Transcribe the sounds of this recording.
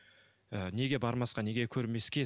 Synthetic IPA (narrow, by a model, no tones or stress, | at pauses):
ne̞ɡʲe̞bɑɾmɑsqɑne̞ɡʲe̞kʲʰɵɾme̞skʲe̞